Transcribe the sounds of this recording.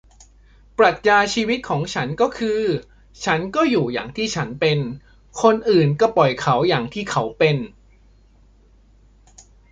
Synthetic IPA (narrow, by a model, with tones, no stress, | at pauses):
pɾa˨˩t̪̚jaː˧t͡ɕʰiː˧wi˦˥t̪̚kʰɔː˩˦ŋt͡ɕʰa˦˥nkɔː˥˩kʰɯː˧ | t͡ɕʰa˦˥nkɔː˥˩juː˨˩ja̰ː˨˩ŋt̪ʰiː˥˩t͡ɕʰa˦˥npe˧n | kʰo˧nʔɯː˨˩nkɔː˥˩pɔ˨˩jkʰa˦˥wjaː˨˩ŋt̪ʰiː˥˩kʰa˦˥wpe˧n